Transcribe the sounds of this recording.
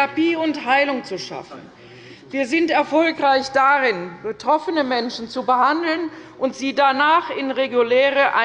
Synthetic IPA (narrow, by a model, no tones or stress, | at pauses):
apiːʊnthaɪlʊŋt͡suʃa̰fn̩ | viːɐzɪntɛɐfɔlkʁ̥aɪçd̥aʁɪnb̥ətʁ̥ɔfənəmɛnʃn̩t͡subəhandl̩nʔʊntz̥iːdanaːχɪnʁeɡulɛːʁəʔa